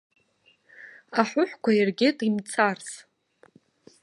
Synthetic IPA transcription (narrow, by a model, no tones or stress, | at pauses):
aħʷʊħʷkʷʰairɡʲɪtʼimt͡sʰars